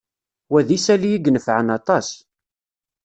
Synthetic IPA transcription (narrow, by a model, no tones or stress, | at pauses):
wæðisælijiɡnəfʕənɑt̪ˤɑs